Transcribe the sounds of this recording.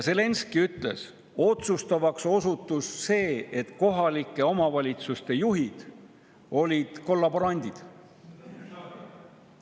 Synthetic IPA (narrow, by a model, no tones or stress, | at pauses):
jse̞le̞nskiyt̪le̞̰s | o̞t̪sust̪ɑvɑkso̞sut̪ːˑusːe̞ːe̞t̪ko̞ɦɑlikːˑe̞o̞mɑvɑlʲit̪sust̪e̞juɦid̪̥ | o̞lʲid̪̥ko̞lːɑboɾɑnʲd̪̥ʲid̪̥